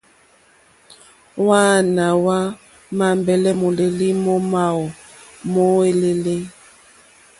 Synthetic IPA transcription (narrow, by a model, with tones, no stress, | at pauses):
wa˦na˨wa˦ | ma˨mbɛ˨lɛ˦mo˨le˨li˦mɔ˦ma˨o˨ | mɔ˦e˦le˦le˦